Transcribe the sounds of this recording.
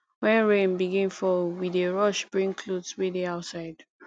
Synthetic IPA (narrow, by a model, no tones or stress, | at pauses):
wɛ̃nɹẽnbiɡĩnfɔwideɹɔʃbɹĩŋkʰlodswedeaʊtsaɪd̥